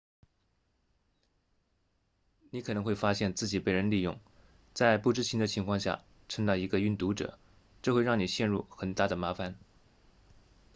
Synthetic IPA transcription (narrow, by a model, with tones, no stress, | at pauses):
ni˧˥kʰɤ˨˩nɤ˧˥xwe˥˩ɪfa˥ɕjɛ˥˧nt͡sɹ̩˥˩t͡ɕi˨˩pe˥˩ɪɻə˧˥nli˥˧jʊ̰˥˩ŋ | t͡sa˥˧ɪpu˥˩ʈ͡ʂɻ̩˥t͡ɕʰi˧˥d̪ə˧t͡ɕʰi˧˥ŋkʰwɑ˥˧ŋɕja̰˥˧˩ | ʈ͡ʂʰə˥ŋd̪ɑ˥˩i˧˥ɡə˧y˥˩nt̪u˧˥ʈ͡ʂɤ̰˨˩˦ | ʈ͡ʂɤ˥˧xwe˥˧ɪɻɑ˥˩ŋni˨˩ɕjɛ˥˧nɻu˥˩xə˨˩nt̪a˥˩d̪ə˩ma˧˥fa˧˩n